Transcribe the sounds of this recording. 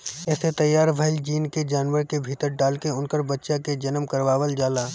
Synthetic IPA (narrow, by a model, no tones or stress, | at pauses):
ɛːset̪ɐjːaːɾbʱəɪld͡ʒiːnked͡ʒaːnʋəɾkebʱiːt̪əɾɖaːlkeʊnkəɾbɐtːʃaked͡ʒɐnəmkɐɾʋaːʋəld͡ʒaːlaː